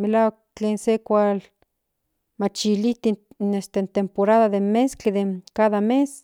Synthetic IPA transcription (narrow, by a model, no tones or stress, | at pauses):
melawak̚t͡ɬeːnsekʷal | mat͡ʃilit̪inest̪ent̪empoɾaðaðemeskeðekaðames